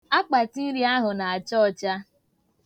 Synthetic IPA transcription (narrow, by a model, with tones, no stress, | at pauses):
a˦k͡pa˨ti˦ɾi˦a˦ɦʊ˨na˨a˨t͡ʃɔ˦˨t͡ʃa˦